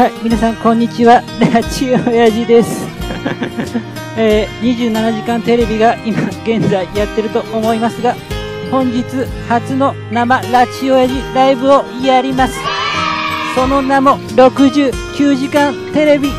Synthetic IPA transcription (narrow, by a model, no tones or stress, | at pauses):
haimʲinasãŋkõ̞ɲ̟ːit͡ɕiβaɾat͡ɕiojaʑid̪e̞sɨ̥ | eːɲ̟iʑɨːnanaʑikãnt̪e̞ɾe̞bʲiɡaimaɡ̥ẽ̞nd͡zaijat̪ːe̞ɾɯ̟t̪o̞ʔomo̞imasɨɡa | hõ̞ɲ̟d͡ʑit͡sɨ | hat͡sɨno̞ | namaɾat͡ɕio̞jaʑiɾaibɯ̟o̞iaɾʲimasɨ̥ | so̞no̞namo̞ | ɾo̞kɯ̟ʑɨːkʲɨːʑikãnt̪e̞ɾe̞bʲi